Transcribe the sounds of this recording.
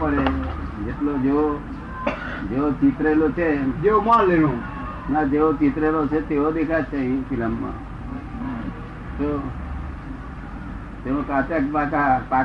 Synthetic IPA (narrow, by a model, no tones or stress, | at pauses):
pəɽe | d͡ʒeʈlod͡ʒeo | d͡ʒeot͡ʃit̪ɾelot͡ʃʰed͡ʒeomãlenũ | nad͡ʒeot͡ʃit̪ɾelot͡ʃʰet̪eod̪ekʰat͡ʃʰeĩfiləmːã̰ | t̪o | t̪eʋõkat̪əkbatapa